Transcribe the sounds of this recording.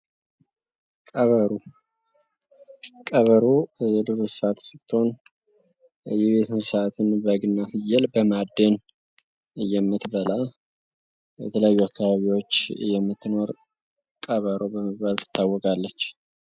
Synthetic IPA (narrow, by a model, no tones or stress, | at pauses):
kʼəβəɾu | kʼəβəɾujɛd̪ɨɾusat̪sɨt̪ːho̞n | jɛβe̞t̪ʰɨnsat̪ʰɨnbəɡɨnːafɨjɛlbəmad̪ːen | ɨjːɛmːɨt̪bəla | jɛ̰t̪ʰələjajːuakːaβaβiwo̞t͡ʃːjɛmːɨt̪ːɨno̞ɾ | kʼəβəɾobəməβalt̪ʰːɨ̥t̪ʰːawːɔkʼalːət͡ʃː